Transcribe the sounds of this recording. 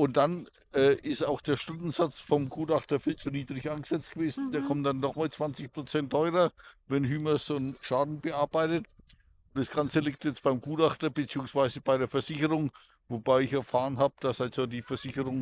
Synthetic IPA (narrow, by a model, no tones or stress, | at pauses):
ʔʊnt̚d̥an | ʔɛːʔɪstaʊxd̥eːɐʃtʊndn̩zat͡sfɔmɡ̥uːtʔaχtɐfiːlt͡suniːdʁɪçʔaɪnŋɡəz̥ɛt͡stɡ̥əveːzn̩d̥eːɐkʰɔmndanːɔχmaːlt͡sv̥ant͡sɪçpʁ̥ot͡sɛntʰːɔʏʁɐvɛnɦyːmɐsʊnʃaːdn̩bəaɐb̥aɪtət | ʊnd̥asɡ̥ant͡səlɪk̚tjɛt͡stb̥aɪmɡuːtaχtɐbət͡siːʊŋsv̥aɪzəbaɪɾeːɐfɛɐz̥ɪçəʁʊŋ | vobaɪɪçɛɐfaːʁənɦaːbəd̥asalz̥odiːfɛɐz̥ɪçəʁʊŋ